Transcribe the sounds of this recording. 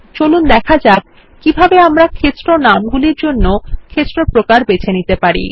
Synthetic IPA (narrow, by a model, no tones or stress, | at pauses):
t͡ɕolund̪ɛkʰad͡ʑab̚ | kibʱabeamɾakʰet̪ːɾonamɡuliɾd͡ʑonːokʰet̪ːɾopɾokaɾbet͡ɕʰenit̪epaɾḭ